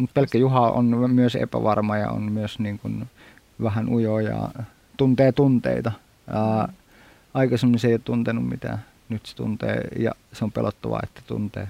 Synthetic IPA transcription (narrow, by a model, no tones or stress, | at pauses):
mut̪̚pelkːæjuhɑʔo̰nmyøsḛpæʋɑrmɑjɑ̰o̰nmyøsniːŋkun | ʋæhænʔujojɑ̰ | t̪unt̪eːt̪unt̪ḛit̪ɑ | ɑː | ɑikɑsemːoniseˑijot̪t̪unt̪enummit̪æ̰ː | nyt̪se̥t̪ṵnt̪ḛːjɑseompḛlʔot̪ːɑʋɑ̰et̪ːæ̥t̪ṵnt̪ḛː